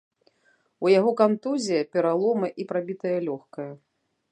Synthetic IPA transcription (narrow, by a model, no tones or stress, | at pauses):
ujaɣɔkant̪uzʲijɐpʲɛɾalˠɔmɨʔipɾabʲit̪ɐjɐlʲɔxkɐjɐ